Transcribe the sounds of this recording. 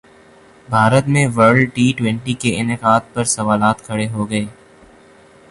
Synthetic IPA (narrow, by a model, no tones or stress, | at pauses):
bʱaːɾət̪mẽʋəɾɖʈiːʈwɛ̃ɳʈikeɪnɪqaːd̪̚pɐɾsɐʋaːlaːt̪kʰɐɽeɦoɡɐeː